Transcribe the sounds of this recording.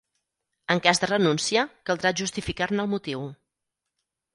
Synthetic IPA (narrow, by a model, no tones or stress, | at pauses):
əŋkazd̪ərənunsiəkəlˠd̪ɾaʒust̪ifikarnəlˠmut̪iw